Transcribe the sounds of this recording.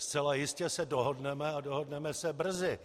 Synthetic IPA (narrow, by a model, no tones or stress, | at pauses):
st͡sɛlajɪscɛsɛdoɦodnɛmɛadoɦodnɛmɛsɛbr̩zɪ